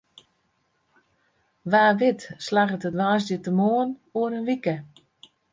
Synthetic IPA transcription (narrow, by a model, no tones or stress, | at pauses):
ʋaːʋɪtslaɣətədʋaːs̬dətəmoənoənənʋikə